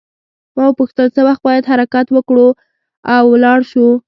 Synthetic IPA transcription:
mawpuxt̪əlsəwaxt̪̚bɑjad̪ɦaɾakat̪wəkɽu | awːlɑɽʃu

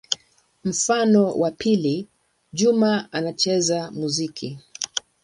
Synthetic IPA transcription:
m̩fanɔwʔapili | ʄumaanat͡ʃɛzamuzikʰi

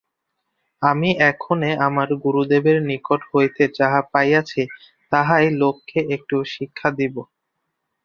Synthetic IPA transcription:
amiʔɛkʰoneamaɾɡuɾud̪ebeɾnikoʈɦhojt̪ed͡ʑaɦapajat͡ɕʰe | t̪aɦajlokʰːeʔek̚ʈuʃikʰːad̪ibo

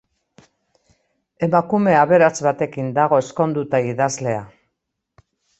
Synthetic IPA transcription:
e̞makume̞aβe̞ɾazβat̪e̞kind̪aɣ̞o̞e̞sko̞nd̪ut̪aiðazle̞a

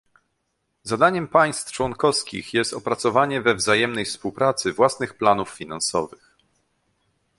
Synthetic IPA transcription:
zad̪aɲɛmpaj̃st̪ft͡ʂwɔŋkɔfskʲḭxjɛst̪ɔpɾat̪sɔvaɲɛvɛvzajɛmnɛjfspuwpɾat̪sɘvwasnɘxplanufːʲinansɔ̰vɘx

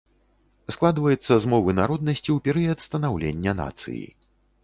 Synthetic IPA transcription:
sklˠad̪vɐjɛt̪sːɐzmɔvɨnaɾɔd̪̚nɐsʲt͡sʲiwpʲɛɾɨjɐt̪st̪ɐnawlʲenʲːɐna̰t̪sɨ̰jḭ

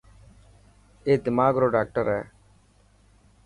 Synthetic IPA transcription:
eːd̪ɪmaːɡɾoːɖɛːk̚ʈəɾɛː

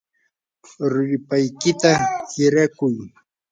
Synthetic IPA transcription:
ɾʊɾɪpajkɪt̪ahɪɾakʊj

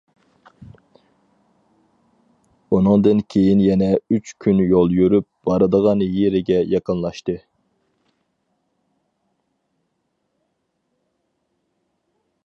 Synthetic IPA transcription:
unʊŋd̪ɨnkʲʰejinjɛnɛyt͡ʃkʲʰynjolˠjøɾyp̚b̥ɑɾɨd̪əʁɑnjeɾɪɡʲɛjɑqənlˠɑʃt̪ɨ

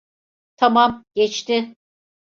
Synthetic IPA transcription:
t̪ʰamamɟ̥ɛt͡ʃt̪ɪ

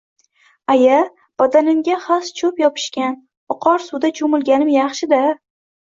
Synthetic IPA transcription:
aja | b̥ɒd̪anɪmɡʲaχast͡ʃʰɵpjɒpʰɪ̥ʃkʲan | ʊqʰɒɾsud̪at͡ʃʰʊmɪlˠɡʲanɪmjɑχʃɪd̪a

